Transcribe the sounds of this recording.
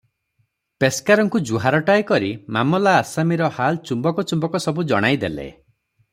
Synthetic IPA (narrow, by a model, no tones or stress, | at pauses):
peskaɾɔŋkud͡ʒuɦaɾɔʈajkɔɾimamɔlaːsamiɾɔhalt͡ʃumbɔkɔt͡ʃumbɔkɔsɔbud͡ʒɔ̰ɽ̃ajd̪elḛ